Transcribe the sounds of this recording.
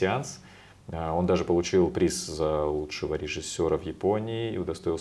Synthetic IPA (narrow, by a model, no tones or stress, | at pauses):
ɪant̪s | o̞nd̪aʐɨpəlˠʊt͡ɕilˠpɾʲiszɐlˠutʂɨvəɾʲɪʐɨsʲːo̞ɾəvjɪpo̞nʲɪːʊd̪ɐst̪o̞jɪlˠ